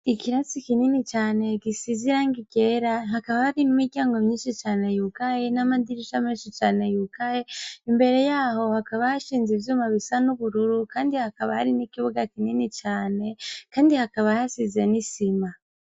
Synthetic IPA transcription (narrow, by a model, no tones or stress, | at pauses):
ikiɾasikininit͡ʃaːne̞ɡisiziɾaŋɡiɡeɾaɦakaβahaɾinimiɾɟjaːŋɡo̞mɲiːnʃit͡ʃaːne̞jukajenamad̪iɾiʃamɲinʃit͡ʃaːne̞jukajeimbe̞ɾe̞jaːɦo̞hakaβahaʃiːnzivjuːmaβisanuβuɾuɾukaːndihakaβahaɾinikiβuɡakininit͡ʃaːne̞kaːndihakaβahasizenisima